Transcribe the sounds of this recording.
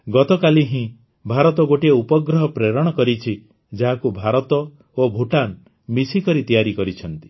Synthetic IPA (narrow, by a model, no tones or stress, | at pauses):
ɡɔt̪ɔkaliɦĩ | bʱaɾɔt̪ɔɡoʈieupɔɡɾɔɦɔpɾeɾɔɽ̃ɔkɔɾit͡ʃʰi | d͡ʒaɦakubʱaɾɔt̪ɔ | obʱuʈan | misikɔɾit̪ijaɾikɔɾit͡ʃʰɔnt̪i̥